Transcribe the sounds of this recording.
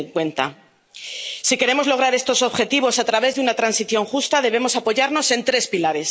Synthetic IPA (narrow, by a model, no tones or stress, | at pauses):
kwe̞nt̪a̰ | sike̞ɾe̞mo̞zlo̞ɣ̞ɾaɾe̞st̪oso̞βxe̞t̪iβo̞sat̪ɾaβe̞zðunat̪ɾansiθjo̞ŋxust̪aðe̞β̞e̞mo̞sapo̞ʝaɾno̞se̞nt̪ɾe̞spilaɾe̞s